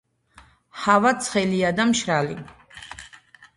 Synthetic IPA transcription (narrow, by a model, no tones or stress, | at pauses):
havat̪sʰχɛliad̪amʃɾali